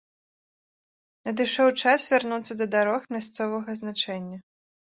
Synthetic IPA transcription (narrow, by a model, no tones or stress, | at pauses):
nɐd̪ɨʂɔwt͡ʂasvʲarnut̪sːɐd̪ɐd̪aɾɔxmʲast̪sɔvɐɣɐznat͡ʂɛnʲːɐ